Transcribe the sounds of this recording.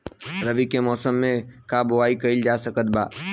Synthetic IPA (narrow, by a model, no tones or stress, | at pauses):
ɾəʋikemɔːsəmːẽkaboaːikəɪld͡ʒasəkət̪̚ba̰ː